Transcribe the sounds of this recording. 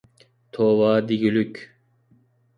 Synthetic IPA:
t̪ʰoːvaːd̪iɡilykʲ

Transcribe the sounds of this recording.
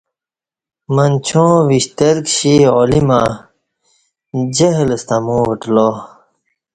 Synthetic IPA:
mɐnt͡ɕʰõːʋiɕt̪ɐɾkɕiolima | d͡ʑɐɦləst̪amũːʋəʈlo

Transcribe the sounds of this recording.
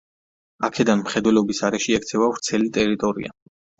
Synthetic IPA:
akʰɛd̪anmχɛd̪wɛlɔbisaɾɛʃiɛkt̪sʰɛvavɾt̪sʰɛlit̪ʼɛɾit̪ʼɔɾḭa̰

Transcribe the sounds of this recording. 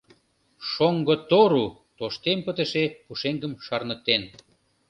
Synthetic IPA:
ʃoŋɡot̪oɾu | t̪oʃt̪empət̪ə̆ʃepuʃeŋɡəmʃɑrnə̆k̚t̪en

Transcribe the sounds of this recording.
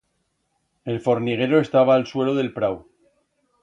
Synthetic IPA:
e̞lfo̞ɾniɣ̞e̞ɾo̞e̞st̪aβ̞aːlswe̞lo̞ðe̞lpɾaw

